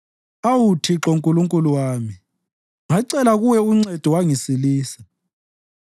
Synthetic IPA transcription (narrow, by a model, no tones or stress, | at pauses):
awutʰiǁɔŋkʼuluŋkʼuluwaːmi | ŋaǀɛlaɣuwɛuŋ͡ǀɛd̥ʱɔwaŋisiliːsḁ